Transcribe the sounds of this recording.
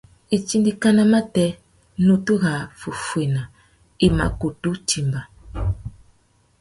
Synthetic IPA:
i˨t͡ʃi˦ndi˦ka˦na˦ma˦tɛ˦ | nu˦tu˦ɣa˨fu˨fwe˨na˨ | i˨ma̰˨ko˨tu˦ti˨mba˨

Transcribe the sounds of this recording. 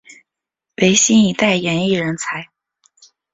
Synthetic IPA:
we˧˥ɪɕi˥ni˧˥t̪a˥˩ɪjɛ˧˥ni˥˩ɻə˧˥nt͡sʰa˧˥ɪ

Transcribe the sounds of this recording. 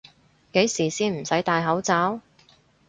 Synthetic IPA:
ke˨˥jsiː˨˩siː˥nm̩˨˩sɐ˨˥jt̪aː˧jɦɐ˨˥wt͡saː˨˥w

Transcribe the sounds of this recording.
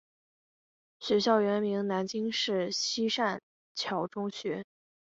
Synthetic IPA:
ɕɥɛ˧˥ɕjɑ˥˩ʊɥɛ˧˥nmi˧˥ŋna˧˥nt͡ɕi˥ŋʂɻ̩˥˩ɕi˥ʂa˥˩n | t͡ɕʰjɑ˧˥ʊʈ͡ʂʊ˥ŋɕɥɛ˧˥

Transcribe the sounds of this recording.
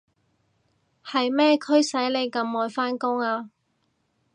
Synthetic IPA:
hɐ˨jmɛː˥kʰɵ˥ɥsɐ˨˥jle˨˧jkɐ˧mːɔː˨˧jfaː˥nkʊ˥ŋaː˧

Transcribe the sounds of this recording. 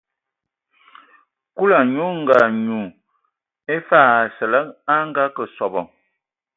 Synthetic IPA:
ku˦la˨ɲu˦ŋ̩˨ɡa˨ɲu˨ | e˦fa˦˨a˨sə˨lə˦a˦ŋ˦ɡa˦kə˨sɔ˨bɔ˨

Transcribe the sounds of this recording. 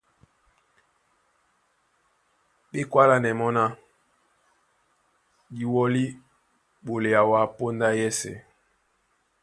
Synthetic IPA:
ɓe˦kwa˦la˨nɛ˨mɔ˦na˦ | di˨wɔ˦li˦ | ɓo˨le˨ja˨wa˦po˦nda˦jɛ˦sɛ̰˨

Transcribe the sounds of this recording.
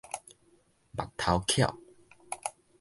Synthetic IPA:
ba̰˨k̚t̪ʰa˧wkʰja̰˥˧˨w

